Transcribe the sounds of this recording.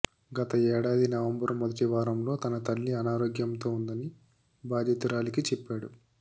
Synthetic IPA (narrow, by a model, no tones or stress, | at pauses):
ɡɐt̪ɐɛːɽaːd̪inɐʋɐmbɐɾmod̪ɐʈiʋaːɾɐmlo̞ːt̪ɐnɐt̪ɐlːiɐnaːɾoːɡjɐmt̪o̞ːund̪ɐni | baːd̪ʱjɐt̪iɾaːlikit͡ʃɛpːaːɽṵ